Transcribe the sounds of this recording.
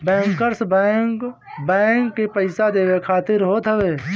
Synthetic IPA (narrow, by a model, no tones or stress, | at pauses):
bɛ̃ːŋkəɾsbɛ | bɛ̃ːŋkːepəɪsad̪eːwekʰaːt̪ɪɾɦoːt̪ɦəʋeː